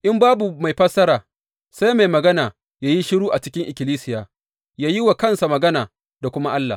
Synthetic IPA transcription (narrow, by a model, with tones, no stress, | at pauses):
ʔɪ˦mbaː˦bu˨ma˨jɸɐ˦sɐ˦ɾaː˨ | sa˦jma˨jmɐ˨ɡɐ˦naː˨ | jaː˦ji˦ʃɪ˦ɽuː˦ʔa˨t͡ʃɪ˦kʲɪ˦ŋʔɪ˨kʲɪ˨liː˦sɪ˦jaː˨ | jaː˦ji˦wa˨kɐ˦nsa˨mɐ˨ɡɐ˦naː˨ | da˨kʷʊ˦ma˦ʔa˦lːa̰˨